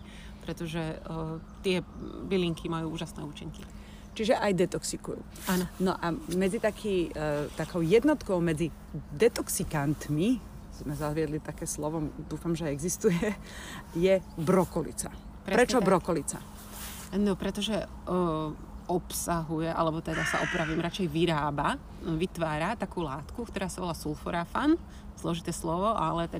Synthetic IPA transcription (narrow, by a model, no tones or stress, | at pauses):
pɾɛt̪ɔʒɛ | t̪ɪɛbiliŋkʰimajuːuːʒasnɛ̰ːuːt͡ʃiŋki | t͡ʃiʒɛʔajd̪ɛt̪ɔksikṵjṵː | annɔʔamɛd͡zit̪akʰiːt̪akɔʊjɛd̪nɔt̪kɔʊmɛd͡zi | d̪ɛt̪ɔksikant̪mi | z̥mɛzazʋɪɛd̪lit̪akɛːslɔʋɔd̪uːfamʒɛɛɡzist̪ujɛ | jɛbɾɔkɔlḭt͡sa | pɾɛpɾɛt͡ʃɔbɾɔkɔlit͡sa̰ | nɔpɾɛt̪ɔʒɛ | ɔpsaɦujɛʔa̰lɛbɔt̪ɛd̪asa̰ʔɔpɾaʋiːmɾat͡ʃɛjʋiɾaːba | ʋit̪ʋaːɾat̪akuːlaːt̪kukt̪ɔɾaːsaʋɔlaːsulfɔɾafan | z̥lɔʒit̪ɛːslɔʋɔʔalɛt̪ɛ